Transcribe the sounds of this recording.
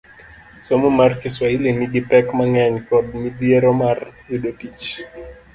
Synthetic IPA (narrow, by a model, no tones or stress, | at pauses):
sɔmumarkiswahiliniɡipɛkmaŋɛɲkɔdmidiɛɾɔmarwuɗopit͡ʃ